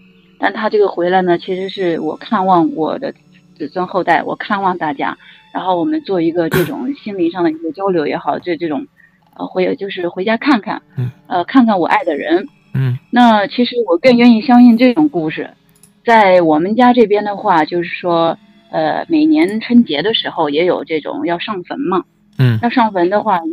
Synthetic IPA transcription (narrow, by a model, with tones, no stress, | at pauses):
t̪a˥˩nt̪ʰa˥ʈ͡ʂɤ˥˩ɡə˩xwe˧˥ɪla˧˥ɪnə˩t͡ɕʰi˧˥ʂɻ̩˧˥ʂɻ̩˥˩wɔ̰˨˩kʰa˥˧nwɑ˥˩ŋwɔ̰˨˩d̪ə̰˦ | t͡sɹ̩˨˩swə˥nxo˥˧ʊt̪a˥˩ɪwɔ̰˨˩kʰa˥˧nwɑ˥˧ŋt̪a˥˩t͡ɕja̰˥ɻa˧˥nxo˥˩ʊwɔ˨˩mə˦nt͡swɔ˥˩i˧˥ɡə˧ʈ͡ʂɤ˥˩ʈ͡ʂʊ̰˨˩ŋɕi˥nli˧˥ŋʂɑ˥˩ŋd̪ə˩i˧˥ɡə˧t͡ɕjɑ˥ʊljo˧˥ʊjɛ˧˥xɑ˨˩ʊt̪we˥˧ɪʈ͡ʂɤ˥˩ʈ͡ʂʊ˨˩˦ŋ | ə̰˧xwe˧˥ɪ˧˩t͡ɕjo˥˧ʊʂɻ̩˥˩xwe˧˥ɪt͡ɕja˥kʰa˥˩nkʰa̰˥˩nə˧kʰa˥˧nkʰa˥˩nwɔ̰˨˩ʔa˥˩ɪd̪ə˩ɻə̰˧˥n | na˥˩t͡ɕʰi˧˥ʂɻ̩˧˥wɔ˨˩kə˥˧ŋɥɛ˥˧ni˥˩ɕjɑ˥ŋɕi˥˧nʈ͡ʂɤ˥˩ʈ͡ʂʊ˨˩ŋku˥˩ʂɻ̩˥˩ | t͡sa˥˩ɪwɔ˨˩mə˦nt͡ɕja˥ʈ͡ʂɤ˥˩pjɛ˥nd̪ə˨xwa˥˩t͡ɕjo˥˧ʊʂɻ̩˥˩ʂwɔ˥ | ə̰˧me˨˩ɪnjɛ˧˥nʈ͡ʂʰwə˥nt͡ɕjɛ˧˥d̪ə˧ʂɻ̩˧˥xo˥˧ʊjɛ˧˥jo˨˩ʊʈ͡ʂɤ˥˩ʈ͡ʂʊ̰˨˩ŋjɑ˥˧ʊʂɑ˥˩ŋfə̰˧˥nmɐ˧ | jɑ˥˧ʂɑ˥˩ŋfə˧˥nd̪ə˧xwa˥˩